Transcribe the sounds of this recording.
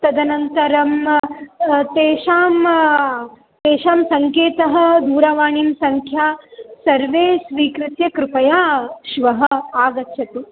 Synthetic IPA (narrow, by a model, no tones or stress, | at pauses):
t̪ɐd̪ɐnɐnt̪ɐɾɐm | t̪eːʃaːm | t̪eːʃaːmsɐŋkeːt̪ɐɦɐ̆d̪uːɾɐʋaːɳimsɐŋkʰjaːsɐɾʋeːsʋiːkɾɪt̪jɐkɾɪpɐjaːʃʋɐɦɐ̆aːɡɐtːʃʰɐt̪u